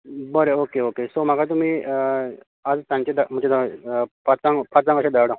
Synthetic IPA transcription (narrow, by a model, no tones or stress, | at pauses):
bəɾeokeokesom̤aɡat̪̬um̤iː | ad͡zt̪jãɲt͡ɕed̪am̤ət͡ɕed̪apat͡sãŋɡpʰat͡sãŋɡəɕãd̪aɽã